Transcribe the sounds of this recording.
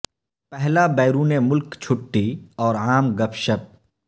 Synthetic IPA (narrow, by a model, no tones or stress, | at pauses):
pɛɦlabɛːɾuːnemʊlkt͡ʃʰʊʈːiɔːɾaːmɡɐpʃəp̚